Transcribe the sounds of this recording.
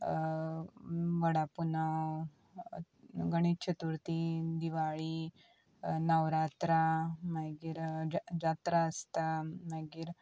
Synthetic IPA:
ʋəɽapunaw | ɡəɽ̃it̪̚t͡ɕʰət̪uɾt̪id̪iʋaɭiː | nəʋɾat̪ɾamaɡiːɾd͡zat̪ɾaəst̪amaɡiːɾ

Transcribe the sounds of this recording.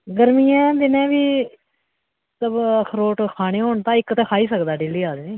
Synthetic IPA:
ɡəɾmiːãːd̪ɪnẽːʋiː | t̪ləbəkʰɾoːʈkʰaːɽeːɦoːɳt̪ãːɪkːt̪eːkʰaːiːsəkd̪aːɖeːliːaːd̪neː

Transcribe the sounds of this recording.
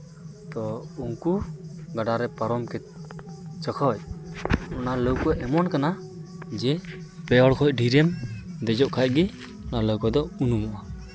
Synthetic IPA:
t̪ɔuŋkuɡaɖaɾɛpaɾɔmkɛt̪̚ | t͡ʃəkʰɔc̚ | ɔnaləwkɔʔɛmɔnkana | d͡ʒɛ | pɛɔɽkʰɔc̚ɖʱiɾɛmd̪ɛd͡ʒɔʔkʰac̚ɡɛ | ɔnaləwkɔd̪ɔunumɔʔa

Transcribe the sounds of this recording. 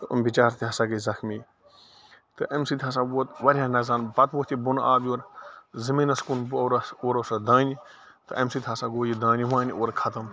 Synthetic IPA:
ṵmbit͡ʃaːɾt̪iɦɐsaːɡizɐxmi | t̪ɨʔɐmsit̪ʰʲɦɐs̬aːbuːt̪ʋɐɾʲjaːnɐzaːnbɐt̪uːt̪ʰibunaːbʲjuːɾzɐmiːnɐskunbɾoːɾosɐd̪ãːni | t̪ɨɐmsiːt̪ʰʲɦɐsaːɡoːjid̪ãːniʋãːnioːɾkʰɐt̪ɐm

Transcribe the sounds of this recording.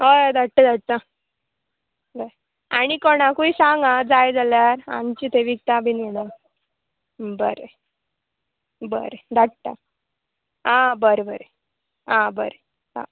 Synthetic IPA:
ɦod̪aʈʈːəd̪aʈ̚t̪a | bəe | aɽ̃ikoɽ̃akuisaŋɡad͡zajd͡zaljaɾa̰mt͡ɕit̪eʋik̚t̪abʱinɡeɽa | bəɾe | bə̰ɾed̪aʈt̪a̰ | ãbəɾebəɾe | ɦãbə̰ɾe | ã̰

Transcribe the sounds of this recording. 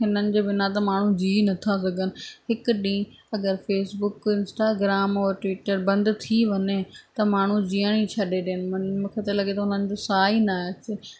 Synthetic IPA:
ɦɪnənɪ̆d͡ʑeːbɪnat̪̬ɐmaːɳ̤ũd͡ʑiːnɐt̪ʰas̬ɐɡənɪ̆ɦɪkɗĩː | ɐɡəɾfeːsbʊkɪ̃nsʈaːɡɾaːmɔːɾʈʋiːʈəɾbɐ̃nd̪t̪ʰiʋɐɲet̪ɐmaːɳ̤ũd͡ʑiːəɽ̃it͡ɕʰɐɗeɗiənɪ̆mnm̃kʰet̪ɐlɐɠet̪ɐʊnənɪ̆d͡ʑoːsaːinaːt͡ɕɪ

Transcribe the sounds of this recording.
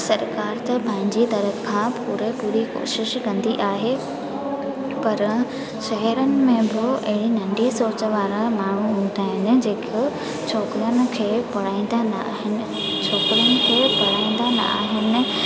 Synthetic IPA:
sɐɾkaːɾt̪ɐpɐ̃ɦɪ̃ɲd͡ʑid̪ɐɾəkʰːãpuːɾepuːɾiko̰ːʃɪʃkɐ̃nd̪iʔaːɦe | pɐɾ | ʃɛɦɛɾənɪ̆mẽbɪɐɦɪɽinɐ̃ɳɖisoːt͡ɕə̆ʋaːɾamaːɳ̤uɦũːnd̪aːɦɪnɪ̆d͡ʑeːkɪ | t͡ɕʰoːkɾijənɪ̆kʰeːpɐɽ̤aːĩnd̪anː | ɦɪnɪ̆ | t͡ɕʰoːkɾijənɪ̆kʰeːpɐɽ̤aːĩnd̪anɐ̰a̰ːɦɪnɪ̆

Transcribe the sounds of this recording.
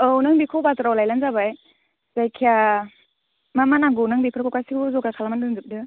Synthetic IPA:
ɔwnɯŋbikʰowbatɾawlajlanzabaj | zajkʰia | mamanaɡɔnɯŋbipʰɯɾkʰɔwkasikzɔɡakʰalamandɯnzɯp̚dɯ

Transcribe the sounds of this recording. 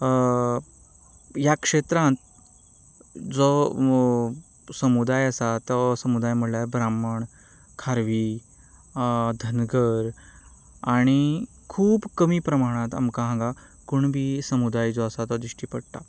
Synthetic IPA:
jakʂet̪ɾãnt̪ | d͡zɔ | səmud̪ajəsat̪əsəmud̪ajm̤əɽlabɾaməɳ | kʰaɾʋi | d̪ʱənɡəɾ | aɽ̃i | kʰuːbkəmiːpɾəmaɽ̃ãt̪a̰mkãɦãŋɡa | kuɳbʱiːsəmud̪ajd͡zɔəsat̪ɔd̪ɾiʂʈiːpəɽt̪a̰

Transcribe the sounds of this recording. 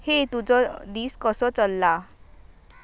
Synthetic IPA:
het̪ud͡zɔd̪iːskəsɔt͡səlːa

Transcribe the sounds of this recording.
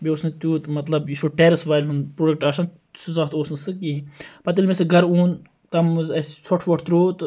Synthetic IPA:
bioːsnɨt̪ʲuːt̪mɐt̪lɐbjispɨʈeːɾɐsʋaːjlɦunpɾoːɖɐk̚ʈaːʃɐn | suzɐt̪oːsnɨsɨkiɦipɐt̪̬ilmesɨɡɐɾuːn | t̪ɐmɨzɐssʰɔʈʰʋɐʈʰt̪ɾoːt̪

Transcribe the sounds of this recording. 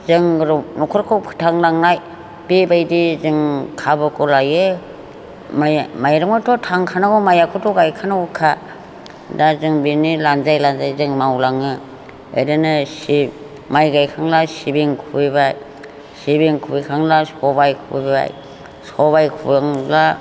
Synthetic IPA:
zɯŋɾɔnɔkʰɔɾkʰɔwpʰɯ̥tʰaŋlaŋnaj | b̥ebajdizɯŋkʰabɯkʰɔlajɯ | majmajɾɯŋatʰɔtʰaŋkʰanaɡɔmajakʰɔtʰɔɡajkʰanaɡɔkʰa | dazɯŋbinilanzajlanzajzɯŋmawlaŋɯ | ḛɾɯnɯsi | majɡajkʰaŋlasibiŋkʰubibaj | sibiŋkʰubikʰaŋlasɔbajkʰɯbibba̰j | sɔβajkʰubaŋla

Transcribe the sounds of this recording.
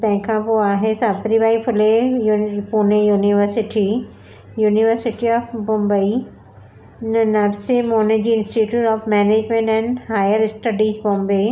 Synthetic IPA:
t̪ɛ̃ːkʰãpoaːɦesaːbt̪ɾibʱaːipʰʊle | puːnejuːniʋəɾsɪʈi | juːniʋəɾsɪʈiɔːfbɔ̃mbəi | nnɐɾsemoːned͡ʒiɪ̃nsʈiʈjuːʈɔːfmɛːneːd͡ʒmẽɳʈɛ̃ɳɖhaːjəɾsʈɐɖiːzbɔ̃mbe

